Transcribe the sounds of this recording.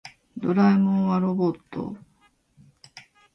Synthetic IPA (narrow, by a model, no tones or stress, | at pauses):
d̪oɾaimõβaɾo̞bo̞t̪ːo̰